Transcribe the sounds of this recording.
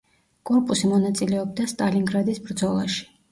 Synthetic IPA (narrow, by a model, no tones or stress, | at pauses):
kʼɔɾpʼusimɔnat̪sʼilɛɔb̚d̪ast̪ʼaliŋɡɾad̪isbɾd̪zɔlˠaʃi̥